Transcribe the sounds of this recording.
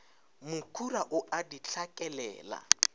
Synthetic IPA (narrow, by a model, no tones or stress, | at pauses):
mʊkʰuɾaʔʊʔadit͡ɬʰakʼɛlɛ̰ːla̰